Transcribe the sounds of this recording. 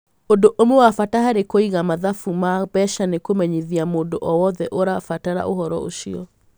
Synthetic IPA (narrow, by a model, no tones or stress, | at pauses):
ondoʔomowafataɦaɾekoiɣamaðafumabɛʃanekomɛɲiðiamoːndoʔɔwɔðɛʔoɾafataɾa̰ʔohɔɾɔ̰o̰ʃiɔ